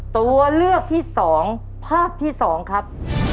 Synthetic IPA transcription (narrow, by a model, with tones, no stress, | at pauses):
t̪u˧ɐlɯ˥˩ək̚t̪ʰiː˥˩sɔː˩˦ŋ | pʰaː˥˩p̚t̪ʰiː˥˩sɔː˩˦ŋkʰɾa˦˥p̚